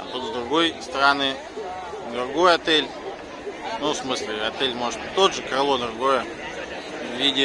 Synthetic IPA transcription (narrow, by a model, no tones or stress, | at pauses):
ɐ̰t̪ut̪zd̪ɾʊɡo̞jst̪əɾanɨ | d̪ɾʊɡo̞jɐt̪elʲ | nufsmɨslʲɪɐt̪elʲmoʐɨt̪tʲt̪ːod̪ʐɨkɐɾlˠod̪ɾʊɡo̞jə | vvʲidʲɪ